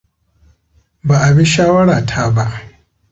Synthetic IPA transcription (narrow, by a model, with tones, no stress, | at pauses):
ba˨ʔa˨bi˦ʃaː˦wɐ˦ɽaː˨tʰa˦ba˦ʔ